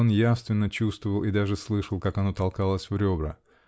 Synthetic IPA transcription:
onjafst̪vʲɪnːət͡ɕust̪vəvəlˠʔid̪aʐɨslˠɨʂəlˠkakɐno̞t̪ɐlˠkalˠəsʲvɾʲo̞bɾə

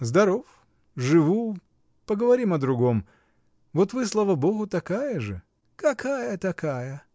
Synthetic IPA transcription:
zd̪ɐɾof | ʐɨvu | pəɡəvɐɾʲimɐd̪ɾʊɡo̞m | vot̪vɨslˠavɐboɣʊt̪ɐkajəʐɨ | kɐkʰajət̪ɐkajə

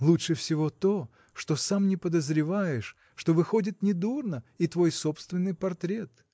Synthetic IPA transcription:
lˠuʂɨfsʲɪvo̞t̪o̞ | ʂt̪o̞samnʲɪpəd̪əzɾʲɪvajɪʂː | t̪o̞vɨxo̞dʲɪt̪nʲɪd̪urnəit̪vo̞jsopst̪vʲɪnːɨjpɐrt̪ɾʲe̞t̪

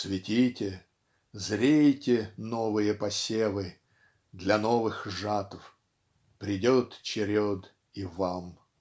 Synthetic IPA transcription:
svʲɪtʲitʲɪ | zɾʲejtʲɪnovɨjəpɐsʲevɨ | d̪lʲɐnovɨxʐat̪əf | pɾʲɪdʲot̪t͡ɕɪɾʲod̪ | ivam

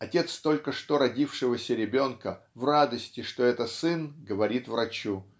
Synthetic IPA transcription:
ɐtʲe̞t̪st̪o̞lʲkəʂt̪o̞ɾɐdʲifʂɨvəsʲəɾʲɪbʲo̞nkə | vrad̪əsʲtʲɪʂt̪o̞ɛt̪əsɨnɡəvɐɾʲit̪vɾɐt͡ɕu

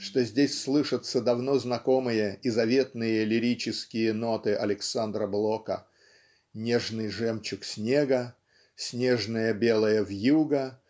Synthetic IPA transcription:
ʂt̪o̞zʲdʲesʲslˠɨʂɨt̪səd̪ɐvno̞znɐko̞mɨjəizɐvʲe̞t̪nɨjəlʲɪɾʲit͡ɕɪskʲɪjəno̞t̪ɨʔɐ̰lʲɪksand̪ɾəblˠokə̰ | nʲeʐnɨjʐɛmt͡ɕʊksʲnʲe̞ɡə | sʲnʲe̞ʐnəjəbʲe̞lˠəjəvjuɡə

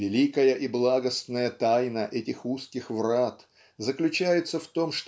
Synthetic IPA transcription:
vʲɪlʲikəjəʔiblˠaɡəsnəjət̪ajnəʔɛtʲɪxuskʲɪxvrat̪ | zəklʲʉt͡ɕæjɪt̪səft̪o̞mʂt̪

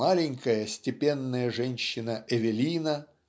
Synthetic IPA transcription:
alʲɪŋʲkəjəsʲtʲɪpʲenːəjəʐɛnʲɕːɪnəʔɛvʲɪlʲinə

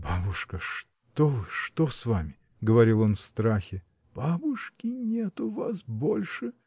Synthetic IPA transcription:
babʊʂkəʂ | t̪ovɨʂt̪osvamʲɪ | ɡəvɐɾʲilˠo̞nfst̪ɾaxʲɪ | b̥abʊʂkʲɪnʲet̪ʊvasbolʲʂɨ

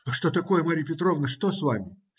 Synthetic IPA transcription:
ʂt̪o̞t̪ɐko̞jəmaɾʲɪjpʲɪt̪ɾo̞vnəʂt̪o̞svamʲɪ

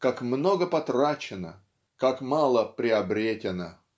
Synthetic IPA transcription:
kakmnoɡəpɐt̪rat͡ɕɪnə̰ | kakmalˠəpɾʲɪɐbɾʲetʲɪnə

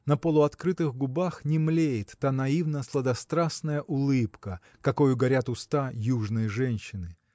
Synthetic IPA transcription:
nəpəlˠʊɐt̪kɾɨt̪ɨɣɡʊbaxnʲɪmlʲejɪt̪ːanɐivnəslˠəd̪ɐst̪ɾasnəjəʔʊlˠɨpkə | kɐkojʊɡɐɾʲat̪ʊst̪ajuʐnɨjəʐɛnʲɕːɪnɨ

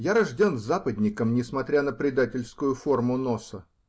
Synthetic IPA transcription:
jaɾɐʐdʲenzapəd̪ʲnʲɪkəmnʲɪsmɐt̪ɾʲanəpɾʲɪd̪atʲɪlʲskʊjʊfo̞rmʊnosə

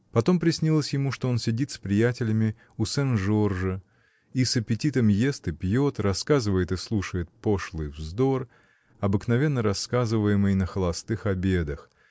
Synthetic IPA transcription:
pɐt̪o̞mpɾʲɪsʲnʲilˠəsʲjɪmuʂt̪oo̞nsʲɪdʲit̪spɾʲɪjætʲɪlʲɪmʲɪ | usɛnʐo̞rʐə | isəpʲɪtʲit̪əmje̞st̪ɨpjo̞t̪rɐskazɨvəjɪt̪ɨslˠuʂəjɪt̪̚poʂlˠɨjvzd̪o̞r | ɐbɨknɐvʲe̞nːəɾɐskazɨvəjɪmɨjnəxəlˠɐst̪ɨxɐbʲe̞d̪əx

